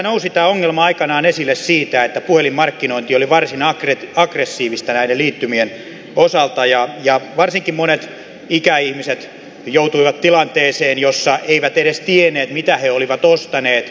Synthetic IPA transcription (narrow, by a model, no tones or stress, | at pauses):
nousit̪æːoŋːelmɑɑikɑnɑːnesilːessiːt̪æet̪ːæpuhelimmɑrkːinoint̪ioliʋɑrsinɑkreɑɡresːiːʋist̪ɑnæineliːt̪ːymien | osɑlt̪ɑjɑjɑʋɑrsiŋkimmonet̪ | ikæihmiset̪ | jout̪uiʋɑt̪t̪ilɑnt̪eːseːnjosːɑʔeiʋæt̪eɾest̪ieneːt̪mit̪æheoliʋɑt̪ost̪ɑneːt̪